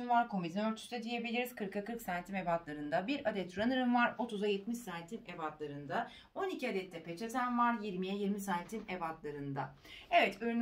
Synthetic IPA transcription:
invaɾkʰo̞mizinø̞ɾt̪ʰyst̪ɛd̪ije̞bilʲiɾiz̥kʰɯɾkakʰɯɾksant̪ʰime̞bat̪lˠaɾɯnd̪abiɾad̪ɛt̪ʰɾanɯɾɯmvaɾo̞t̪ʰuzajet̪miʃsant̪ʰinevat̪lˠaɾɯnd̪a | o̞nicʰiad̪ɛt̪ʰːɛpʰet͡ʃʰezʰænvaɾjiɾmijɛjiɾmisaːnt̪ʰinevat̪lˠaɾɯnd̪a | evɛt̪øɾn

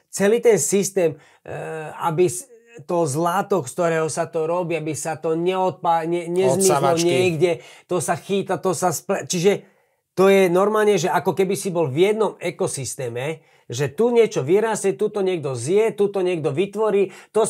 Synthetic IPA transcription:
t͡sɛliːt̪ɛnsist̪ɛːm | a̰bis | t̪ɔzlat̪ɔkst̪ɔɾɛːɦɔsat̪ɔɾɔbiabisat̪ɔɲɛɔt̪̚paɲɛɲɛzmiɔɲɪɛɡɟɛt̪ɔsaxiːt̪at̪ɔsasplat͡ʃiʒɛ | t̪ɔjɛnɔɾmaːlɲɛʒɛʔakɔkɛbisibɔlvjɛd̪nɔmɛkɔsist̪ɛːmɛ | ʒɛt̪uɲɛt͡ʃɔʋiɾaːsɛt̪ut̪ɔɲɪɛɡ̚d̪ɔzjɛt̪ut̪ɔɲɪɛɡ̚d̪ɔʋit̪ʋɔɾiːt̪ɔ

